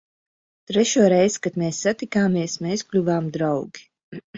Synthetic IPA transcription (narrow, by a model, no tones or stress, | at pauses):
t̪ɾɛʃuɔɾɛjzkat̪mɛːsːat̪ikaːmiɛsmɛːsklʲuvaːmd̪ɾawɡi̥